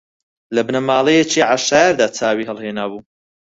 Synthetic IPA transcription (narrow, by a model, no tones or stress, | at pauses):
lɐbnɐmaːlˠejet͡ʃiaʕaʃaːjaɾd̪aːt͡sʰaːwiːɦɛlˠheːnaːbuː